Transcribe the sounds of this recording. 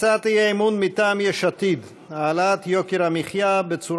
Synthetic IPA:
t͡sat̪ijeimunmit̪aːmjɛʃat̪id̪ | aːlat̪jokeɾamiχjabet͡suɾ

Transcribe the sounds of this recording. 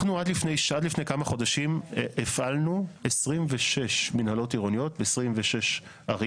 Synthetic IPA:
nuad̪lifne̞jʃad̪lifnejkamaχo̞daʃimʔefʔalnuesʁimveʃeʃminhalo̞tiʁonijo̞t̚beesʁimveʃe̞ʃ | aʁ

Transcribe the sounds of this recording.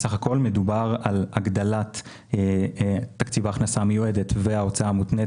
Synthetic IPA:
saχako̞lme̞dubaʁalaɡd̪alat | tːakt͡sivaːχnasamejuedetveao̞t͡saamut̪ne

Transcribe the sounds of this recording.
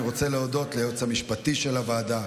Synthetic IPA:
ʁo̞t͡se̞leodo̞t̪lejot͡samiʃpatiʃe̞lavaːda

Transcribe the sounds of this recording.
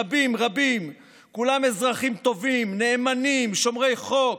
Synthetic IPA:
bimʁabim | kulame̞zʁaχimt̪o̞vimne̞ːmanimʃo̞mʁe̞jχo̞k

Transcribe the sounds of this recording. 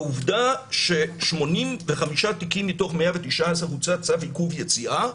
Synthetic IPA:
uvdaʃe̞ʃmo̞nimveχamiʃatikimːito̞χmeavetiʃʔaasaut͡sat͡savikuvjet͡siʔa

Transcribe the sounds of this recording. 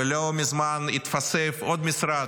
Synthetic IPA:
lʲomʲɪzmanit̪fasefod̪mʲɪsɾa

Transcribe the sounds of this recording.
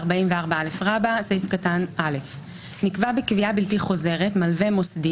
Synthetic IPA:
ʁbaimveaʁbaalefʁabasejfkatanʔale̞f | nikvabekviabiltiχo̞ze̞ʁe̞tmalve̞mo̞sdi

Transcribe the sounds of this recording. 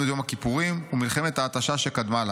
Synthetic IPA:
uetjomhakipuʁimumilχe̞met̪aːt̪aʃaʃe̞kad̪mala

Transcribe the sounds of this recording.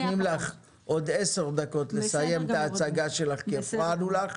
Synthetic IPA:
nimlaχ | ʔo̞d̪e̞seʁd̪ako̞t̪le̞saje̞mt̪aːt͡saɡaʃe̞laχkiafχanulaχ

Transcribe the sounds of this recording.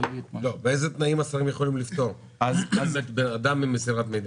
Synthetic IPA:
ilobeejzet̪naimasaʁimjeχo̞limlift̪o̞ʁ | azaet̪bead̪amimːesiʁat̪mejd̪

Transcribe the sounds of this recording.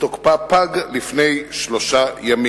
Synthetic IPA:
tokpapaɡlifne̞jʃloʃajami

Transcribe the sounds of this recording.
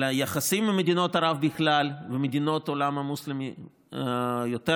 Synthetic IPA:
jaχasimːemed̪ino̞t̪aɾavbɪxlalvemed̪ino̞t̪olamamuslimi | jot̪e

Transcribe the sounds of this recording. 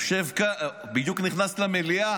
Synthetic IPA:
ʃevka | bid̪jukniχnaslamelia

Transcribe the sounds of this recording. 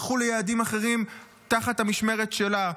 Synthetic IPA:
χulejeːdimaχe̞ʁim | t̪aχathamiʃme̞ʁetʃe̞la

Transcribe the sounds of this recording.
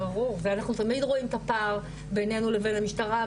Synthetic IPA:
aʁuʁveanaχnut̪amid̪ʁo̞imt̪apaʁ | bene̞nuleve̞nhamiʃtaʁa

